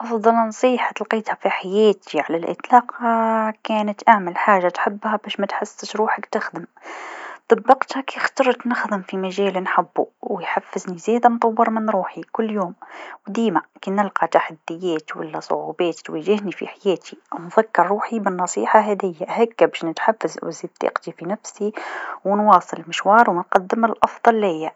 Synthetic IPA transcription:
ʔɑfd̪ˤɑlnɑsˤiːħḁt̪əlqiːt̪hæfiħajæːt̪ʰiʕalælʔɪ̰t̪ˤlɑːqɑkæːnat̪ʔaʕmɪlħaːʒat̪ħabːhæbæːʃmæt̪ħasːɪt̪ɾuːħakt̪ɪxd̪əm | t̪ˤɑbːɑqt̪hakixt̪ɑɾˤt̪nɪxd̪ɪmfimaʒæːlnħabːṵwjħafːɪznizeːd̪amt̪ˤɑwːɑɾˤmɪnɾuːħikʊlːjoːmwd̪iːmakinɪlqɑt̪aħad̪ːɪjːæːt̪wa̰lːæsˤʊ̰ʕṵːbæːt̪t̪wæːʒɪhnifḭħajæːt̪ʰiwnðakːɑɾˤɾuːħibɪnːɑsˤḭːħaɦæd̪ɪjːaʔhakːabæːʃnɪt̪ħafːazwziːd̪ˤḭːqt̪ifinafsiwnwɑːsˤɨlmɪʃwɑːɾˤwnqɑd̪ːɪmɪlʔɑfðˤɑlːjːa

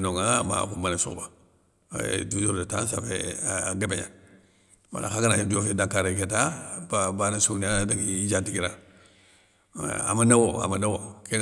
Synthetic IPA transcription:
noŋama̰kumanasṵba̰ | dud͡ʒoɾdetansafḛɡebḛɲa̰ | wa̰lʔa̰xaɡanajodiofedaŋkaɾeketababanasuniadaɡid͡ʒatiɡiɾa | a̰manawoa̰manawoke

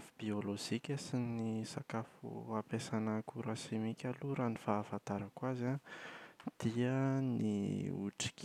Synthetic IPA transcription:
fubioloʒikʲəsinisakafṵapesanəkuɾasemikʲaluɾanifaːfant̪aɾakwaza | d̪̥iənḭṵʈ͡ʂi̥kʲ

